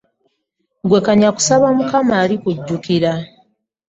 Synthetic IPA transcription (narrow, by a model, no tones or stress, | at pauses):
ɡwe̞kaɲaku̥saβamukamaːɾikuɟːukiɾa